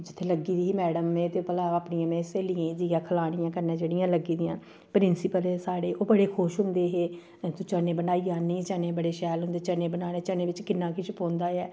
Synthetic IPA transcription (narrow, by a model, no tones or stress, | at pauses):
d͡ʒɪt̪ʰːeːləɡiːd̪iːɦiːmɛːɽəmːẽːt̪eːpəlaːaːpɳijãːmẽːseːlijẽːd͡ʒiãːkʰəlaːɽ̃ijãːkəɾnẽːd͡ʒeːɽɪijãːləɡiːd̪ɪjãː | pɾɪnsɪpəlɛːsaːɽeːoːbəɽeːkʰʊːʃɦʊ̃nd̪eːɦeː | t̪ʊt͡ʃəneːbənaːiãːnĩːt͡ʃəneːbəɽeːʃɛːlɦʊnd̪eːt͡ʃəneːbənaːneːt͡ʃənẽːʋɪt͡ʃkɪnːãːkɪʃpõːnd̪aːɛː